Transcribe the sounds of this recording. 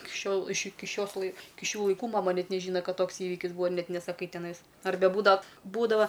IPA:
ɪk ˈʃʲoːlˠ ɪʃ ˈɪkʲɪ ˈʃʲoːs lˠɐɪ ˈɪkʲɪ ˈʃʲuː lˠɐɪˈkuː mɐˈmɐ ˈnʲɛt nʲɛˈʒʲiːnɐ ˈkɐt ˈtoːks ˈiːʋʲɪkʲɪs ˈbuːʋɐ ɪr ˈnʲɛt nʲɛsɐˈkɐɪ tʲɛˈnɐɪs ɐrʲˈbʲɛ ˈbuːdɐw ˈbuːdɐʋɐ

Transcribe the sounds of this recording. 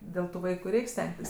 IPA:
ˈdʲeːlˠ tʊ ˈʋɐɪkʊ ˈrʲɛɪkʲ ˈsʲtʲɛŋktʲɪs

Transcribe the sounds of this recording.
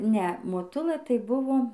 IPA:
ˈnʲɛ moːˈtʊlˠɘ tɐɪ ˈbʊʋoː

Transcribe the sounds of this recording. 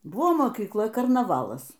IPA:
ˈbʊʋoː moːkʲiːkˈlˠɐ kɐrnɐˈʋɑːlˠɐs

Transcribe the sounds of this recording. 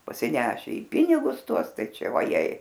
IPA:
pɐsʲɪˈnʲæːʃʲɛ iː ˈpʲɪnʲɪɡʊs ˈtuɔs ˈtɐɪ ˈt͡ʃʲɛ ʋɐˈjɛɪ

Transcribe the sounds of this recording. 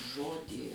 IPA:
ˈʒoːdʲiː

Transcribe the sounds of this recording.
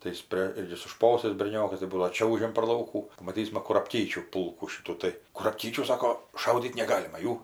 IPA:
tɐɪ ˈjɪs pʲrʲeː ˈjɪs sʊ ˈʃpoːsɐɪs bʲɛrʲˈnʲoːkɐs tɐɪ ˈbuːdɐʋoː ˈt͡ʃʲɛʊʒʲɛm pɐr ˈlˠɐʊkuː pɐmɐˈtʲiːsmɐ kʊrɐpʲˈkʲiːt͡ʃʲuː ˈpʊlˠkuː ˈʃʲɪtuː tɐɪ kʊrɐpʲˈkʲiːt͡ʃʲuː ˈsɑːkoː ˈʃɐʊdʲiːt nʲɛˈɡɑːlʲɪmɐ ˈjuː

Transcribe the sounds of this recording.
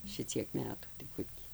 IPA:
ˈʃʲɪt͡sʲiɛk ˈmʲæːtuː tɐɪ ˈkʊr tʲɪ

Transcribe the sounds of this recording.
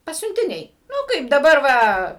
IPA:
pɐsʲʊnʲtʲɪˈnʲɛɪ ˈnʊ ˈkɐɪp dɐˈbɐr ˈʋɐ

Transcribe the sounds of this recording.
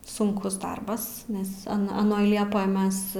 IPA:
sʊŋˈkʊs ˈdɐrbɐs nʲɛs ɐ ɐˈnoːj ˈlʲiɛpoːj ˈmʲɛs

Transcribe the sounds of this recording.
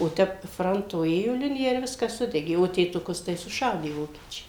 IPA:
oː ˈtʲɛp ˈfrɐntoː ˈeːjoː ˈlʲɪnʲɪjɛ ɪr ˈʋʲɪskɐs ˈsʊdʲɛɡʲeː oː tʲeːtʊˈkʊs tɐɪ sʊˈʃɐʊdʲeː ˈʋoːkʲiɛt͡ʃʲɛɪ

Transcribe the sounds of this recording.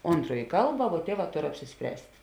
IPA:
ˈoːntroːj ˈkɐlˠbɐ ʋuɔ ˈtʲiɛˌʋɑː ˈtoːr ɐpʲsʲɪsʲˈpʲrʲæːsʲtʲ

